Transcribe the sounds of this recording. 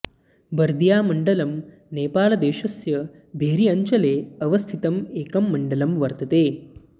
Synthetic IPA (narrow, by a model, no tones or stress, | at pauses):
bɐɾd̪jaːmɐɳɖɐlɐm | neːpaːlɐd̪eːɕɐsjɐ | bʱeːɾiɐɲt͡ʃɐleːɐʋɐst̪ʰit̪ɐmeːkɐmːɐɳɖəlɐmʋɐɾt̪ɐt̪eː